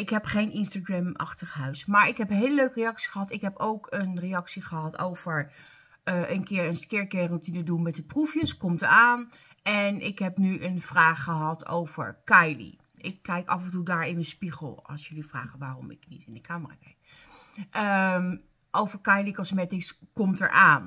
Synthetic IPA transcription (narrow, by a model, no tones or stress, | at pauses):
ɪkɦɛpχejnɪnstaɡrɛmʔɑ̰χtəχɦœɥsmaːɹɪkɦɛpənɦɪːləløɥkərejɑksi̥χəɦɑtɪkɦɛpowkʰənrejɑksiχəɦɑto̰wv̥əɹ | əʔənkɪːɹənskɪːɹkɛrɔtinədunmɛtdəprufjəskɔmtəɹaːn | ɛnɪkɦɛpnyʔənv̥raːχːəɦɑtʰo̰wv̥ə̰ɹkɑjlḭ | ʔɪkːɛjkɑfəntudaːɹɪnənspiχəlˠɑ̰lˠsjɵlifra̰ːχənʋaːrɔmɪ̰knḭtɪndəkaːməra̰kɛjk | ʔəm | ʔowvəɹkɑjlikɔsmɛtɪskɔmtɛ̰ɹʔaːn